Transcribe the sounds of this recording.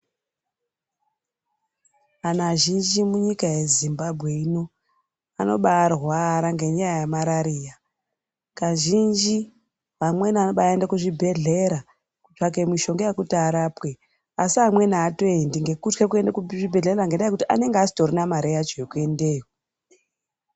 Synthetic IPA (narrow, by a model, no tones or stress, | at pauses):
anaʒind͡ʒimuɲikajezimbabʱɣe̞ino̞ | ano̞ɓaːrɦwaɾaŋɡe̞ɲajajamaɾaɾiːja | kaʒind͡ʒi | ʋamwe̞nanoɓaendakuʐibʱe̞ɮe̞ɾa | kut͡ʃak̬e̞miʃo̞ŋɡejakutaɾapwe | asiamwe̞naːtoendiŋɡe̞kut͡ʃkek̬ue̞ndakuʐibʱe̞ɮeeɾaŋɡendaekutiʔa̰ne̞ŋɡasi̥toɾinamaɾejat͡ʃeokue̞ndeːko